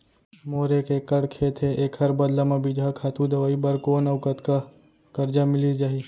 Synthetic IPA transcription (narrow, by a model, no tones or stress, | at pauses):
moːɾekeːkːəɽkʰeːt̪ʰeeːkɦɐɾbɐd̪lamãbɪd͡ʒʱakʰaːt̪ũd̪ɐʋaːibɐɾkoːnɐʋkət̪ka | kɐɾd͡ʒamɪlid͡ʒaːɦi